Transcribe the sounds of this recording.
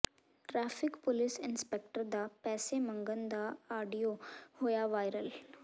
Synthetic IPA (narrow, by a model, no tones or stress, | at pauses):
ʈɾaːfɪkpʊlɪsɪnspek̚ʈəɾd̪apɛːsemə̃ŋɡənd̪aːɖijohoːjaʋaːjɾəl